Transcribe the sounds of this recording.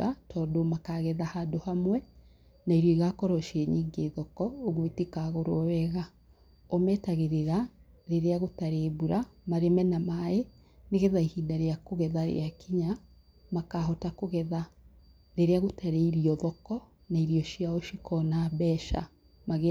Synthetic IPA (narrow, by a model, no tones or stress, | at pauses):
atʰɔːdomakaɣɛðahadohamwɛ | naiɾioiɣakɔɾɔʃiɛɲiŋɡeðɔkɔoɣwetekaɣoɾo̰ɔwɛɣa | ɔmɛːtaɣeɾeɾa | ɾeɾeaɣotaɾeːβuɾamaɾemɛnamae | neɣɛðaihindaɾeakoɣɛðaɾḛakiɲa | makaːɦɔtakoɣɛða | ɾeɾeaɣotaɾeiɾiɔðɔkɔ | naiɾiɔʃiaoʃikɔnaβɛʃa̰ | maɣ